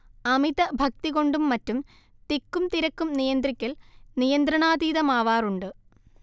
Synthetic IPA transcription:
ɐmiðɐbʱɐk̚t̪iɣo̞ɳɖumːɐtːum | t̪ikːumt̪iɾɐkːumnijɐnd̪rikʲːɐlnijɐnd̪rɐɳaːd̪iːðɐmaːʋaːruɳɖɨ

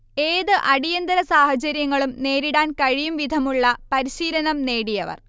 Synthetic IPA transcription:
e̞ːðɨʔɐɽijɐnd̪ɐɾɐsaːhɐt͡ɕɐɾjɐŋːɐɭumne̞ːɾiɽaːnkɐɻijumʋid̪ʱɐmuɭːɐpɐɾiɕiːlɐnɐmne̞ːɽijɐʋɐ̰r

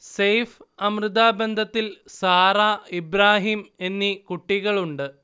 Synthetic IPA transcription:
sejfɐmrɨd̪aːbe̞nd̪ʱɐt̪ːilsaːɾaːibɾaːɦiːme̞nːikuʈːiɣɐɭuɳɖɨ

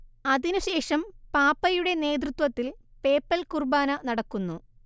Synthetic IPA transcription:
ɐðinuɕe̞ːʂɐmpaːpːɐjuɽe̞ne̞ːd̪̬rut̪wɐt̪ːilpe̞ːpːɐlkurbaːnɐnɐɽɐkːunːu

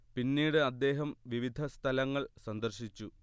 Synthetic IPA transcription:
pinːiːɽɨɐd̪ːe̞ːɦɐmʋiʋid̪ʱɐst̪ʰɐlɐŋːɐɭsɐnd̪ɐrɕit͡ɕːu

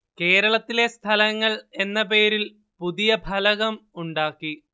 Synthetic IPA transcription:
ke̞ːɾɐɭɐt̪ːile̞st̪ʰɐlɐŋːɐɭe̞nːɐpe̞ːɾil | puðijɐbʱɐlɐɣɐmuɳɖaːkːi

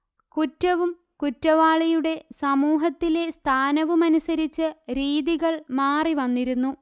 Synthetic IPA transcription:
kutːɐʋum | kutːɐʋaːɭijuɽe̞sɐmuːɦɐt̪ːile̞st̪ʰaːnɐʋumɐnusɐɾit͡ɕːɨɾiːðiɣɐɭmaːriʋɐnːiɾunːu

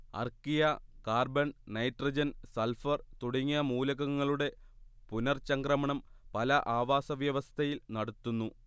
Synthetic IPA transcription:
ɐ̰rkijɐkaːrbɐɳnɐjʈrɐd͡ʑɐnsɐlfɐrt̪uɽiŋːijɐmuːlɐɣɐŋːɐɭuɽe̞ | punɐrt͡ɕɐŋɡrɐmɐɳɐmpɐlɐʔaːʋaːsɐʋjɐʋɐst̪ʰɐjilnɐɽut̪ːunːu

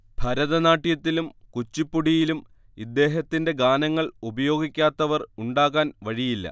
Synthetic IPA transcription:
bʱɐɾɐðɐnaːʈːijɐt̪ːilumkut͡ɕːipːuɽijilum | id̪ːe̞ːɦɐt̪ːinde̞ɡaːnɐŋːɐɭubɐjo̞ːɡikʲːaːt̪ːɐʋɐruɳɖaːɣaːnʋɐɻijilːɐ̰

